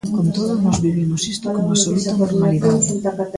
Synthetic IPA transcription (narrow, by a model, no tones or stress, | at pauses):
kont̪oðonɔzβiβimʊsist̪okomasolut̪anoɾmaniða